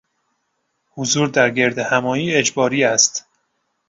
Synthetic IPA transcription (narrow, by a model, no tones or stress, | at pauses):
huzuːɾd̪æɾɡe̞ɾd̪ehæmɒːiːe̞d͡ʒbɒːɾiːæst̪